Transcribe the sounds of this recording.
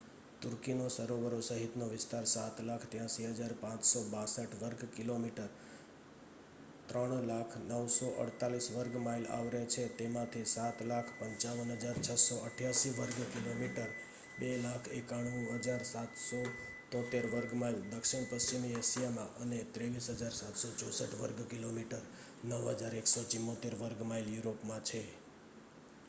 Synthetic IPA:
t̪ʊɾkinosəɾoʋəɾosəɦit̪noʋɪst̪aɾsat̪lakʰt̪jãsiɦəd͡ʒaɾpãt͡ʃsobasəʈʰʋəɾɡkilomiʈəɾ | t̪ɾəɳlakʰnəʋsɔʔə̰ɽt̪alisʋəɾɡmaila̰ʋɾet͡ʃʰet̪emãt̪ʰisat̪lakʰpəɲt͡ʃaʋənɦəd͡ʒaɾt͡ʃʰəsoəʈʰjaʃiʋəɾɡkilomiʈəɾ | belakʰekaɽ̃uɦəd͡ʒaɾsat̪so | t̪ɔ̃t̪eɾʋəɾɡmaild̪əkʃiɳ̃pəst͡ʃimiesijamã̰ʔənet̪ɾeʋisɦəd͡ʒaɾsat̪sot͡ʃɔsəʈʋəɾɡkilomiʈəɾ | nəʋɦə̰d͡ʒaɾeksot͡ʃimːot̪eɾʋəɾɡmailjuɾopmãt͡ʃʰe

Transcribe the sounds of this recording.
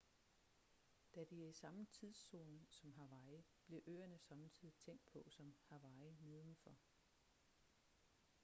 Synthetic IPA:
d̥æd̥iæɐisɑ̈mət͡sʰið̰ˠso̝ːnsɒ̽mɦɑ̈ʋɑ̈ɪb̥le̝ʔø̰ːɐnəsɒ̽mt͡sʰið̰ˠit͡sʰeŋ̰d̥̚pʰɒ̽sɒ̽mhɑʋɑ̈ɪme̝ðˠn̩fɒ̽

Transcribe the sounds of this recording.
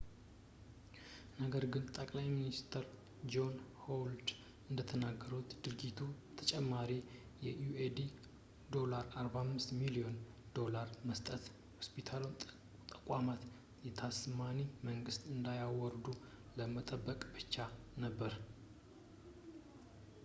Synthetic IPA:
nəɡəɾɡɨnt̪ʼəkʼlajminist̪ʰəɾ | d͡ʒo̞nhold̪ | ɨnd̪ət̪ʰənaɡːəɾut̪d̪̥ɨɾd͡ʒit̪ʰu | t̪ʰət͡ʃʼɛmːaɾi | jɛjued̪i | d̪o̞laɾaɾbahmːɨst̪milio̞n | d̪o̞laɾməst̪ʼət̪ | hospit̪ʰal | t̪ʼəkʼamat̪ | jɛt̪ʰasmaniməŋɡɨst̪ɨnd̪ajawɔɾd̪u | ləmət̪ʼəbːəkʼbɨt͡ʃːanəbːəɾ

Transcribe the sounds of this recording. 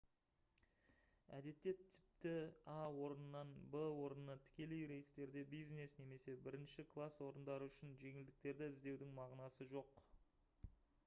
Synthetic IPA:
æ̰d̪e̞t̪ːe̞t̪ʰːɪ̥p̚t̪ɪawo̞ɾənənːɑnbəwo̞ɾənnət̪ʰɪ̥kʲe̞le̞jɾe̞jɪst̪e̞ɾd̪e̞bijzne̞sne̞me̞se̞bɪɾɪnʃɪkʰlˠaswo̞ɾənd̪ɑɾəʏʃɪnʒe̞ŋɪld̪ɪk̚t̪e̞ɾd̪ɪɪzd̪e̞wd̪ɪŋmɑʁnɑsəʒo̞q

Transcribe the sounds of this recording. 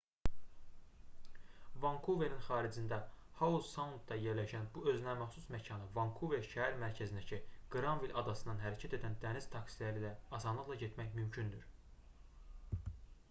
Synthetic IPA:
vɑŋkʰuveninχɑːɾid͡ʒind̪æhɑuzsɑnut̪̚d̪ɑje̞ɾlæʃænbuø̞znæmæχsusmæcʰɑnɯvɑŋkʰuveʃæhæɾmæɾcʰæzind̪æcʰiɡ̥ɯɾɑnvilʲʔɑd̪ɑsɯnɑnɦæɾæcʰæt̪e̞d̪ænd̪æniz̥t̪ʰɑksilæɾilæɑsɑnlˠɯɣlˠɑɟet̪mæçmymcʰynd̪yɾ

